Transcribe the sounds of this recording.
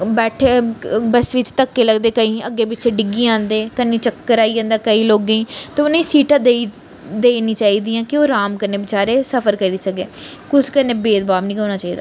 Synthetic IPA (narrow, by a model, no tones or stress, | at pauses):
bɛːʈʰeːbəsʋɪt͡ʃt̪əkːeːləɡd̪eːkəĩːʔəɡeːbɪeːɖɪɡiːãːnd̪eːkənːĩːt͡ʃəkːəɾaːiːãːnd̪aːkəiːloːɡẽiːt̪ẽʊnãːĩːsiːʈãːd̪ei | d̪eːniːt͡ʃaːiːd̪iːãːkɪoːɾaːmkəɾneːbɪt͡ʃaːɾeːsəpʰəɾkəɾiːsəɡeːkʊskəɾneːbeːd̪baːbnĩːkəːnaːt͡ʃaːiːd̪a̰ː